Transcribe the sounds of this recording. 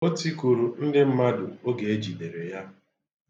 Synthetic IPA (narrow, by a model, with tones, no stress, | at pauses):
o˦ti˦ku˨ɾu˨n̩˦dɪ˦m̩˦ma˦dʊ˨o˦ɡe˨e˦d͡ʒi˨ne˨ɾe˨ja˦